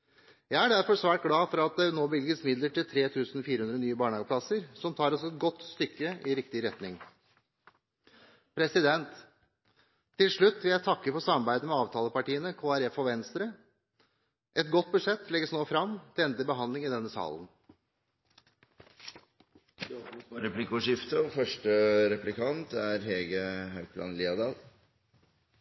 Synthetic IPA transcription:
jæɪæɖæɾfɔsʋæːʈ̚ɡɽɑːfɔɾɑt̪̚d̪ɛnoːbɪlɡəsmɪd̪ləʈɪlt̪ʰɾeːt̪ʰʉːsnɔfiːɾəʉnɾənyːəbɑːɳəɑːɡəpʰlɑsəɾsɔmt̪ʰɑːɾɔsɛt̪̚ɡɔt̪ːst̪ʏkːəɪɾɪk̚t̪ɪɾɛt̪nɪŋ | pʰɾɛsɪd̪ɛnt̪ | ɪlʂɭʉt̪ːʋɪljæɪt̪ʰɑkːəfɔsɑmːɑɾbæɪd̪əmɛɑːʋt̪ʰɑːləpɑʈiːənəkʰoːæɾɛfɔʋɛnst̪ɾə | ʔɛt̪ɡɔt̪̚ːbʉʂɛt̪ːlɛɡəsnoːfɾɑmt̪ʰɪlɛnd̪əbəɦɑnd̪lɪŋɪd̪ɛnːəsɑ̰ːln̩ | ɾɛplɪkɔʂɪft̪əfœʂʈəɾɛplɪkʰɑnt̪æɾɦɛːɡəhɑʉpʰlɑ̰ːnliːɑd̪ɑːl

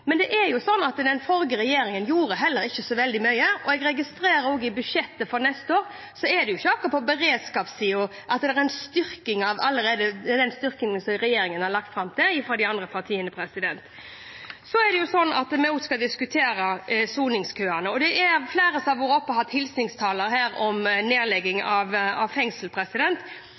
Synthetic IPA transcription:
mɛnd̪ɛʔɛjʊsɔnːɑt̪d̪ɛnfɔɾɡəɾɛjeːɾɪŋənjuːɾəɦɛlːəɾɪçːəsɔʋɛld̪ɪmœʏəɔɛɡɾɛɡɪst̪ɾeːɾəɾoːɡəɪbʉʂɛt̪ːəfɔɾnɛst̪oːɾ | sɔɛd̪ɛjʊɪçːəɑkːʊpʰɔbəɾeːd̪skɑːpsiːʊ | ʔɑt̪d̪ɛɾɛnst̪ʏɾkɪŋɑʋɑlːəɾeːd̪əd̪ɛnst̪ʏɾkɪŋsɔmɾɛjeːɾɪŋənhɑɾlɑkt̪fɾɑmt̪ʰɪlɪfɾɑd̪ɪɑnd̪ɾəpʰɑt̪ʰiːənəpʰɾɛsɪd̪ɛnt̪ | sɔæɖ̪ɛjʊsɔnːɑ̰t̪mɛʊt̪skɑld̪ɪskʉt̪ʰeːɾəsuːnɪŋskʰøːænəɔd̪ɛʔæɾfleːɾəsɑʋʊɾɔpːəɦɑt̪ʰhɪlsnɪŋst̪ʰɑːləɾhæːɾɔmneːlɛɡːɪŋɑʋɑʋfɛŋsəlpʰɾɛsɪd̪ɛnt̪

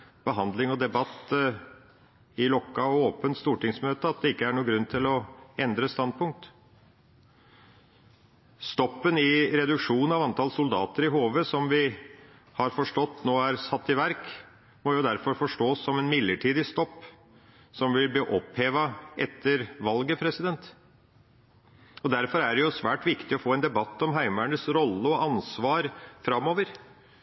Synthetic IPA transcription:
b̥əɦɑnd̪lɪŋɔd̪ɛbɑt̪ː | ɪlɔkːɑɔoːpənt̪st̪uːʈɪŋsmøːt̪əɑt̪̚d̪ɛɪkːəæɳuːɡɾʉnːt̪ʰɪlɔɛnd̪ɾəst̪ɑn̚pʰʊŋk̚t̪ | st̪ɔpːənɪɾɛd̪ʉkʂuːnnɑʋɑnt̪ʰɑlsʊld̪ɑ̰ːt̪əɾɪɦoːʋəsɔmʋɪ | hɑɾfɔʂʈɔt̪ːnoːæɾsɑt̪ːɪʋæɾk | mɔjʊd̪æɾfɔɾfɔʂʈoːsːɔmɛnmɪd̪ːəʈʰiːd̪ɪst̪ɔpː | sɔmʋɪlbəʔɔpheːʋɑʔɛt̪ʰːəɾʋɑlɡəpʰɾɛsɪd̪ɛnt̪ | ɔd̪æɾfɔɾæɖɛjʊsʋæːʈʋɪkt̪ɪɔfoːɛnd̪ɛbɑt̪ːɔmɦæɪmæɳəsɾɔlːəɔʔɑnsʋɑːɾfɾɑmːoːʋəɾ

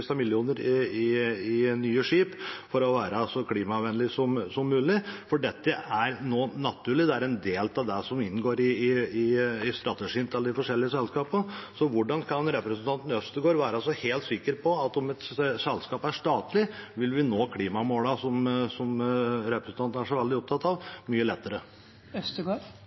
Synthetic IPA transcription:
st̪ɑmɪljuːnəɾɪɪɪnyːəʂiːpfɔɾɔʋæːɾəsɔkʰliːmɑɑʋɛnəlɪsɔmsɔmːʉːlɪfɔɖɛt̪ːəʔæɾnoːnɑt̪ʰʉːɭɪd̪ɛæɾɛnd̪eːlt̪ɑʋd̪ɛsɔmɪnːɡoːɾɪːɪɪst̪ɾɑt̪əʂiːnt̪ʰlːəd̪ɪfɔʂɛlːɪəsɛlskɑːpənsɔʋʊɖɑnkʰɑnɾɛpɾɛsn̩t̪ʰɑnt̪n̩œst̪əɡoːɾʋæːɾəɑlsɔheːlt̪sɪkːəɾpʰɔɑt̪ɔmɛt̪sɛlskɑːpæʂʈ̪ɑːt̪lɪʋɪlʋɪnoːkʰliːmɑmoːlɑsɔmsɔmɾɛpɾəsn̩t̪ɑnt̪n̩æʂɔʋɛld̪ɪɔp̚t̪ʰɑt̪ːɑʋmyːəlɛt̪ːəɾə | œst̪əɡoːɾ

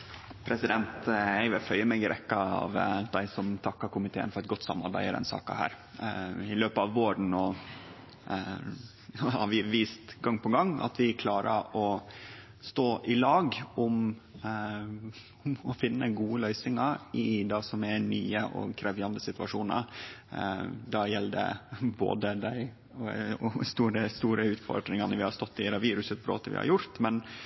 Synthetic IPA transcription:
pʰɾɛsɪd̪ɛnt̪æɪʋəfœʏəmɛɡəɾʔɛkːɑɑ̰ʋd̪æɪsɔmt̪ʰɑkːɑɾkʰʊmɪt̪ʰḛːə̰nfɔɾɛt̪̚ɡɔt̪ːsɑ̰mːɑ̰ɾbæ̰ɪəd̪ɛ̰nsɑ̰ːkɑ̰hæ̰ːɾ | ɪløːpəɑʋːoːɾən̩oː | hɑ̰ɾʋɪʋiːst̪ɡɑŋːpʰɔɡɑŋːɑ̰t̪ʋɪkʰlɑːɾə̰ɾɔ | st̪oːʔɪlɑːɡʊm | mɔfɪnːəɡuːəlœʏsɪŋɑɾɪd̪ɑːsɔmɛɾny̰ːəʔɔ̰kʰɾɛʋjɑnd̪əsɪt̪ʋɑʂuːnə̰ɾ | d̪ɑjɛlːd̪ɛ̰bo̰ːd̪əd̪æɪ | ɔɔst̪uːɾəst̪uːɾəʉːt̪fɔ̰ɾɖ̪ɾɪŋɑnəʋɪhɑst̪ɔt̪ːɪd̪ɑʋiːɾʉsət̪bɾo̰ːt̪əʋɪ̰hɑ̰ɾjʊɾt̪mɛn

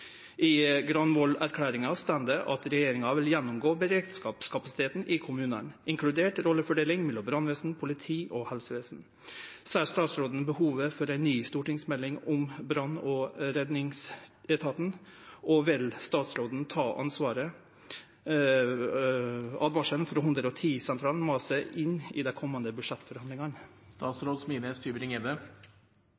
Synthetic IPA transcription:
ɪɡɾɑnʋɔlæɾkʰlæːɾɪŋɑst̪ænd̪əʔɑt̪ɾɛjeːɾɪŋɑʋɪljɛnːʊmɡoːbəɾeːkt̪skɑːpskʰɑpɑsɪt̪ʰeːt̪n̩ʔɪkʰʊmʉːnə̰nɪŋkʰlʉd̪eːʈɾɔlːəfɔɖeːlɪŋmɛlːɔbɾɑnʋeːsn̩pʰʊlɪt̪ʰiːʔɔhɛlsəʋeːsn̩ | sæst̪ɑːt̪sɾoːd̪ən̩bəhuːʋəfɔɾæɪnːyːst̪uːʈɪŋsmɛlːɪŋʊmbɾɑnːɔɾɛd̪nɪŋsɛt̪ʰɑːt̪n̩ɔʋɪlst̪ɑːt̪sɾoːd̪n̩t̪ʰɑːʔɑ̰nsʋɑːɾə | ɑ̰d̪ʋɑʂənfɔɾɔɦʉnd̪ɾəɔt̪ʰiːsɛnt̪ʰɾɑːln̩mɑːsəʔɪnːɪ̰d̪ɛkʰɔmːɑnd̪əbʉʂɛt̪ːfɔɾhɑnd̪lɪŋɑnst̪ɑːt̪sɾoːd̪smiːnəst̪yːʋəɾɪŋeːd̪ə

